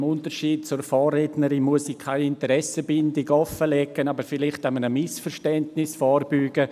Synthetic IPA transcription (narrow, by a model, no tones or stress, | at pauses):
mʊntəɾʃiːt̚t͡sʊɾfɔːrednəɾinmuəsikʰaɪɪntəɾɛsəbɪndɪɡɔfəlɛɡənɑbəɾfɪlɪχtamənəmɪsfəɾʃtɛntnɪsfɔːrbyːɡ̥ə